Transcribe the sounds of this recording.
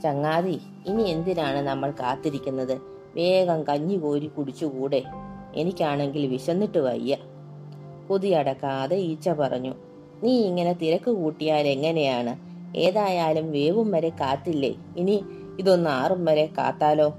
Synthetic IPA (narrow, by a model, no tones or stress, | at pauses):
t͡ɕɐŋːaːði | inie̞nd̪inaːɳɨnɐmːɐɭkaːt̪ːiɾikʲːunːɐðɨ | ʋe̞ːɡɐmkɐɲːiko̞ːɾikːuɽit͡ɕːukuːɽe̞ | ḛnikʲːaːɳe̞ŋɡilʋiɕɐnːiʈːɨʋɐ̰jːɐ | puðijɐɽɐkːaðeiːt͡ɕːɐpɐrɐ̰ɲːu | niːiŋːɐne̞t̪iɾɐkːɨkuːʈːijaːle̞ŋːɐne̞jaːɳɨ | ḛːðaːjaːlumʋe̞ːʋumʋɐɾe̞kaːt̪ːilːḛ | ini | iðo̞nːɨaːrumʋɐɾe̞ka̰ːt̪ːaːlo̞ː